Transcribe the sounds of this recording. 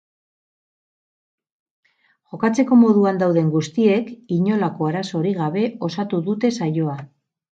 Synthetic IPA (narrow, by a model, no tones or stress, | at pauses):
ʝo̞kat͡se̞ko̞mo̞ðuand̪awðe̞ŋɡust̪ie̞kiɲo̞lako̞aɾaso̞ɾiɣ̞aβe̞o̞sat̪uðut̪e̞sajo̞a